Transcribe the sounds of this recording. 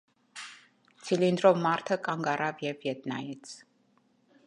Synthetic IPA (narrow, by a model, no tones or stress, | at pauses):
t̪t͡sʰilind̪ɾɔmaɾt̪ʰakʼaŋɡaɾavjɛvjɛd̪na̰jɛt̪sʰ